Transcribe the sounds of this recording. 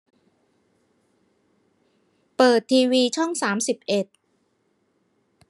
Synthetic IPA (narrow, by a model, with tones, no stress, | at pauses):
pɤː˨˩t̪ʰːiː˧wiː˧t͡ɕʰɔ˥˩ŋsaː˩˦msi˨˩p̚ʔe˨˩t̪̚